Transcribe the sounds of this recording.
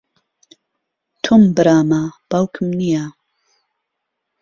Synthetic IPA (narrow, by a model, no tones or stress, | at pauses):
t̪ʰombɨɾaːmab̥awkʰmnija